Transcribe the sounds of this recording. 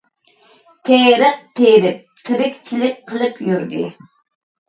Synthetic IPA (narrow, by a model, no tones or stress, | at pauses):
t̪ʰeɾəq̚t̪ʰeɾɪp̚t̪ʰɪɾɪkʲt͡ʃʰilɪk̚ʲqʰəlˠɨpʰjyɾd̪ɨ̰